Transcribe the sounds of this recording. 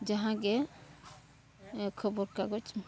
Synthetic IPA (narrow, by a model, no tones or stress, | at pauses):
d͡ʒaɦãɡe | kʰəbɔɾkaɡɔt͡ʃ